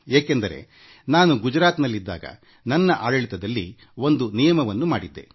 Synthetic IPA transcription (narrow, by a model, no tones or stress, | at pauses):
eːkend̪ɐɾe̞̰ | naːnuɡud͡ʒɾaːt̪nɐlːid̪ːa̰ːɡɐ̰ | nɐnːɐʔaːɽɐɭit̪ɐd̪ɐlːḭ | o̞nd̪unijɐmɐʋɐnːumaːɽid̪ːe̞̰